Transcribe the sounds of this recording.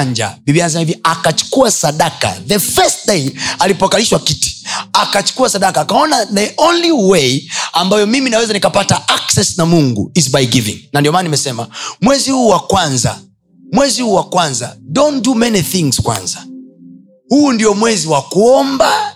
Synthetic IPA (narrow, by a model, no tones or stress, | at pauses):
ɲd͡ʒa̰bibianas̬amaiviakat͡ʃu̥kuasaɗaka̰ðəfɛst̚dejalipɔkaliʃwakiti̥akat͡ʃu̥kuasaɗakaːkaɔnaðɛʔonliwejambajɔmiminawɛzanikapataaksɛsnamuŋɡṵizbajɡivḭŋnandiɔmaːnanimɛsɛmamwɛzihuːwakwanza | mwɛzihuːwakwanzadɔndumɛniθiŋz̥kwa̰nza | huːndijɔmwɛziwakuɔmba